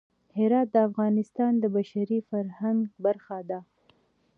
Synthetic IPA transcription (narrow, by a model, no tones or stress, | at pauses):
hɪɾɑt̪̚d̪əafɣɑnɪst̪ɑnd̪əbaʃaɾifaɾhaŋɡbaɾxad̪a